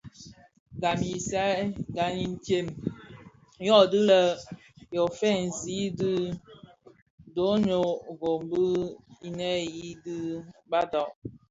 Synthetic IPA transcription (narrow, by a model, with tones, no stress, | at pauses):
ɡa˨mi˨sa˦ɡa˨ni˦n̩˦te˦˨m | jɔ˦˨dɨ˦lə˨ | jo˨fɛ˦˨n̩˨zi˦dɨ˦ | do˨˦ɲo˨ɡo˨mbə˦i˨nɛ˦ji˦dɨ˦ba˦dɔ˨ʔ